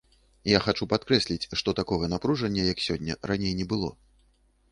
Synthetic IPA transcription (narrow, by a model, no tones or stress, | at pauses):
jaxat͡ʂupat̪kɾɛsʲlʲit͡sʲʂt̪ɔt̪akɔɣɐn̪apɾuʐɐnʲːɐjɐksʲɔnʲːɐ̰ranʲejnʲɛbɨlˠɔ̰